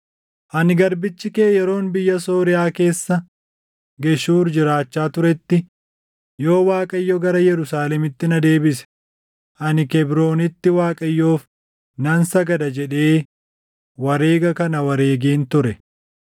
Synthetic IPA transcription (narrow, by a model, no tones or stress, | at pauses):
ʔɐnɪɡɐɾbɪt͡ʃːɪkeːjɛɾo̞ːnbɪjːɐso̞ːɾɪjaːke̞ːsːɐ | ɡɛʃuːɾd͡ʒɪɾaːt͡ʃːaːt̪ʊɾɛt̪ːɪ | jo̞ːwaːkʼɐjːɔɡɐɾɐjɛɾʊsaːlɛmɪt̪ːɪnɐd̪e̞ːbɪsɛ̥ | ʔɐnɪkɛbɾo̞ːnɪt̪ːɪwaːkʼɐjːo̞ːf | nɐnsɐɡɐd̪ɐd͡ʒɛᶑe̞ː | wɐɾe̞ːɡɐkɐnɐwɐɾe̞ːɡeːnt̪ʊɾɛ